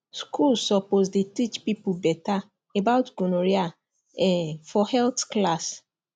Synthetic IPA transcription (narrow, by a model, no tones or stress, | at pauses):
skʰulsɔpozdetit͡ʃpipubɛta | ebaʊtɡonoɾia | ɛfɔhɛltklas